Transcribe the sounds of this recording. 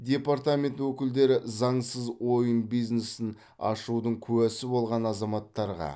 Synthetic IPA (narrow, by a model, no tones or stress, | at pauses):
d̪ʲe̞paɾt̪amʲe̞nt̪wɵkʲɪld̪e̞ɾɪzɑɴsəzwo̞jənbijznesɪn | ɑ̰ʃud̪əɴkʲʰʉwæsɪbo̞lˠʁɑnɑzɑmɑt̪ːɑɾʁɑ̰